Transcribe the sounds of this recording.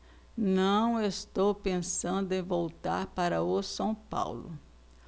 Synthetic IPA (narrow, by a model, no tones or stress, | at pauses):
nɐ̃w̃est̪owpẽsɐ̃nd̪ʊẽj̃vowt̪a̰ɾpaɾɐʊsɐ̃w̃pa̰wlʊ̰